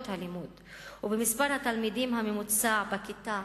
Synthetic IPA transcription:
t̪halimuːd̪ | ubemispaʁhat̪almid̪imɦamemut͡sabakit̪a

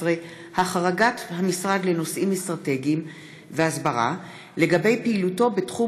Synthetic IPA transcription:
ʁe | haχaʁaɡathamisʁad̪le̞no̞sʔimestʁate̞ɡiim | veasbaʁa̰ | le̞ɡabe̞jpeiluto̞betχu

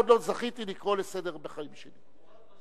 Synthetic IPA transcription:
d̪lo̞zaχit̪ilikʁo̞lesedeʁbeχaimʃeli

